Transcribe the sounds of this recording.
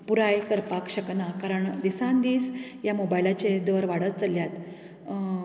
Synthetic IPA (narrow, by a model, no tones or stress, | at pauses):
puɾajkəɾpakɕəknakaɾəɳd̪isãnd̪iːsjamobajlat͡ɕed̪əɾʋaɽət̪t͡səljat̪